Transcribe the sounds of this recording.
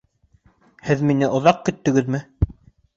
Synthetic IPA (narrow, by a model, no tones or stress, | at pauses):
hɘðminɘʔŏðɑq̚kɵ̆t̪ːɵ̆ɡɘðmɘ